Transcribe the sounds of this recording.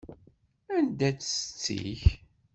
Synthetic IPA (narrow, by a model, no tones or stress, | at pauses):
ænd̪æt͡sːə̥st͡sːḭç